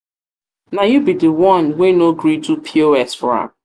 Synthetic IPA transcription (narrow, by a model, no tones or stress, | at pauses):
najubidəwɔ̃nwenoɡɹitupʰioɛsfɔɹã̰